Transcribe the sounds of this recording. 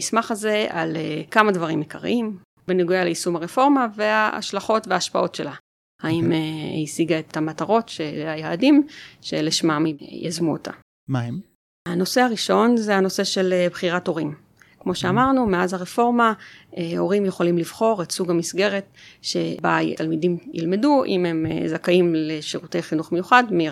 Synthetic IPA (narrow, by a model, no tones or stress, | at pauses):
ismaχaze̞a̰lekamadvaʁimjekʰaʁḭim | beniɡujaleisumaʁefo̞ʁmave̞aa̰ʃlaχo̞tveaːʃpa̰ʔo̞tʃe̞̰la | haimeisiɡaet̪amataʁo̞tʃeajaːdimʃe̞leʃmamija̰zmuo̰tʰa̰ | maem | ano̞se̞aʁiʃo̞nzeano̞se̞ʃelebχiʁato̞ʁim | kmo̞ʃeamaʁnume̞azaʁefo̞ʁmaeo̞ʁimjeχo̞limliv̥χo̞ʁetsuɡamisɡe̞ʁetʃe̞̰bajtalmidimjḭlme̞duʔḭme̞m̰zakaimleʃiʁute̞jχinuχme̞juχadmi